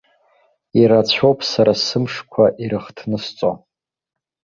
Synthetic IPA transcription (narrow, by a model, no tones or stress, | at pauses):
iɾat͡ɕʷʰowpʼsaɾasɨmʂkʷʰaʔiɾɨχtʰnɨst͡sʼo̰